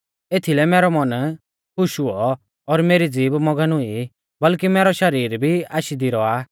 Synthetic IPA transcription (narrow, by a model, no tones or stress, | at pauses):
eːt̪ʰilɛmɛːɾɔmɐn | kʰʊʃuɔ | ɔɾmeːɾid͡ziːbmɔɡənʊi | bɐlkimɛːɾɔʃɐɾiːɾbʱiaːʃid̪iɾɔaː